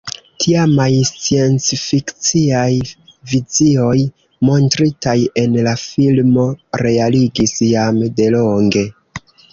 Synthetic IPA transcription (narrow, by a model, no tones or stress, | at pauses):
tʰiamajst͡sie̞nt͡sfikt͡siajvizio̞j | mo̞ntɾitaje̞nlafilmo̞ɾe̞aliɡisjamde̞lo̞ŋɡe̞